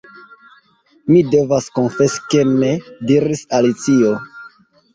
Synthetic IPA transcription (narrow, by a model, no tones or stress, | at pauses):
mide̞vaskonfe̞ske̞ne̞diɾisalit͡sio